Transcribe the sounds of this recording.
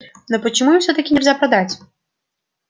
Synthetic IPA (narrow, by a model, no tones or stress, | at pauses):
nɔpɐt͡ɕɪmujifsʲɔt̪ɐkʲɪnʲɛrzʲapɾad̪at͡sʲ